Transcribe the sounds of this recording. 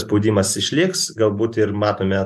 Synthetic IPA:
spoʊd̪ʲiːmɐsɪʃʲlʲɪksɡɐlˠbuːt̪ɪɾmɑːt̪oːmʲɛ

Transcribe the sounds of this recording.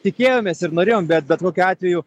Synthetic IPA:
t̪ʲɪkʲeːjoːmʲeːsɪɾnoːɾʲeːjoːmbʲɛt̪̚bʲɛt̪koːkʲuɑːt̪ʲʋʲɛjuː

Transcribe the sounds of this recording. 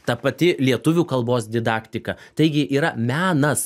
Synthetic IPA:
t̪ɐpɐt̪ʲɪlʲiɛt̪ʊʋʲuːkɐlˠboːs̬d̪ʲɪd̪ɑːkt̪ʲɪkɐt̪ɐɪɡʲɪʔiːɾɐmʲæːnɐs

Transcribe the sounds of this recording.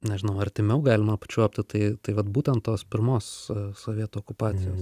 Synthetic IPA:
nʲɛʒʲɪnɐʊɐɾʲt̪ʲɪmʲɛʊɡɑːlʲɪmɐpɐ̥t͡ʃʲuɔpʲt̪ʲɪt̪ɐɪt̪ɐɪʋɐt̪buːt̪ʲɛnt̪toːspʲɪɾmoːssoːʋʲiɛt̪uːkʊpɑːt͡s̪ʲɪjoːs

